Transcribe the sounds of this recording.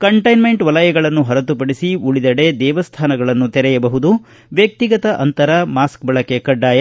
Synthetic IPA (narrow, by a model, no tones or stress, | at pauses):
kɐɳʈɐjnme̞ɳʈʋɐlɐjɐɡɐɭɐnːuɦɐɾɐt̪upɐɽisiuɭid̪ɐɽe̞d̪ɛːʋɐst̪ʰaːnɐɡɐɭɐnːut̪ɛɾɛjɐbɐɦud̪u | ʋjɐk̚t̪iɡɐt̪ɐʔɐnt̪ɐɾɐmaːskbɐɭɐkekɐɖːaːjɐ